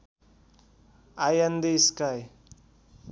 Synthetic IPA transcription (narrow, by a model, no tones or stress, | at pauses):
ajand̪eskaj